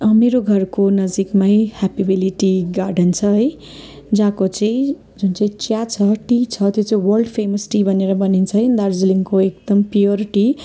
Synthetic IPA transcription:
ʌmeɾoɡʱʌrkonʌd͡zikmajhapibiliʈiɡarɖʌnt͡sʰʌɦʌj | d͡zãkot͡sʌĩ | d͡zunt͡saĩt͡sjat͡sʰʌʈit͡sʰʌt̪jot͡saĩwʌrlɖpʰemʌsʈibʱʌneɾʌbʌnint͡sʰʌɦd̪ard͡zliŋkoek̚d̪̥ʌmpjorʈi

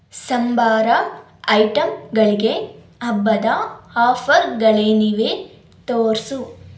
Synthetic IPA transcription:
sɐmbaːɾɐ | ɐjʈɐmɡɐɭiɡe | ɐbːɐd̪ɐaːfʰɐɾɡɐɭeniʋeː | t̪oːɾsu

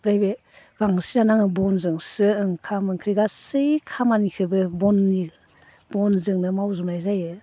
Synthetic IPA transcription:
bɾajbe | baŋsinanaŋɯbɔnzɯŋsɯɯŋkʰamɯŋkʰɾiɡasɯjkʰamanikʰɯbɯbɔnːiɡ | b̥ɔnzɯŋnɯmawzɯmlajzajɯ

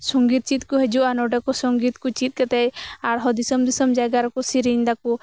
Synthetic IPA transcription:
sɔŋɡit̪̚t͡ʃit̪̚kɔɦɛd͡ʒuʔanɔɖɛkɔsɔŋɡit̪̚kut͡ʃit̪̚ˀkɛt̪ɛjaɽɦɔd̪isɔmd̪isɔmd͡ʒajɡaɾɔkɔsiɾiɲd̪aku

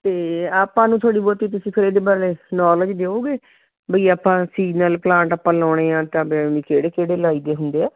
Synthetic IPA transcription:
t̪eːaːpãːnũːt̪ʰoaːɽiːboːt̪iːt̪̬ʊsĩːpʰɪɾeːd̪eːbaːɾenɔːləd͡ʒd̪eːoːɡeː | bəiːaːpːãːsiːnaːlplãːɳʈəpːãːlɔːɽ̃eːãːt̪ãːbemɪkeːɽeːkeːɽeːlaːiːd̪eːɦʊnd̪eːɛː

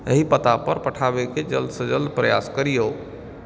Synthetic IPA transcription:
əɦipət̪apəɾpəʈʰabeked͡ʒəld̪sə̃d͡ʒəld̪pɾəja̰skəɾijo

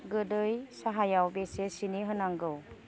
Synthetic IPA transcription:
ɡɯdɯjsaɦajawbesesineɦɯnaŋɡɯw

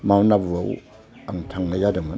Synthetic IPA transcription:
mawnabuaw | aŋtʰaŋnajadama

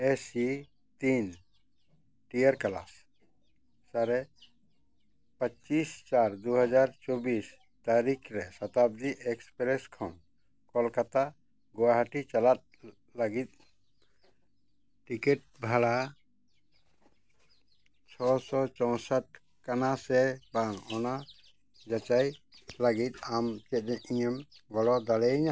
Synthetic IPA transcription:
esi | t̪in | ʈijəɾkala̰s | aɾɛ | pət͡ʃist͡ʃaɾd̪uɦəd͡ʒaɾt͡ʃobis | t̪aɾikʰɾɛsat̪ab̚d̪iʔɛkspɾɛskʰɔ̰n | kɔlkat̪a | ɡɔwaɦaʈit͡ʃalat̪̚ | laɡit̪̚ | ʈikɛʈ̚bʱaɭa | t͡ʃʰɔsɔt͡ʃɔ̃w̃saʈ̚ | kanasɛbaŋɔna | d͡ʒat͡ʃajlaɡit̪̚amt͡ʃɛt̪̚ˀɛʔiɲɛmɡɔlɔd̪alɛiɲa

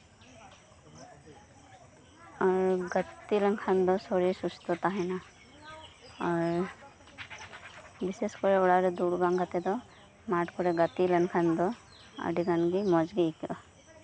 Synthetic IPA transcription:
aɾɡət̪ːiləŋkʰand̪ɔsɔɾisust̪ɔt̪aɦɛna | aɾ | biseskɔɾɛɔɽaɾed̪uɽɡaŋɡat̪ɛd̪ɔ | maʈkɔɾɛɡat̪ilənkʰand̪ɔ | a̰ɖiɡanɡimɔd͡ʒɡikɔ

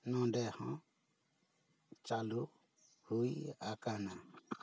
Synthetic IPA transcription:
nɔ̃ɖɛhɔ̃ | t͡ʃalu | hujakana

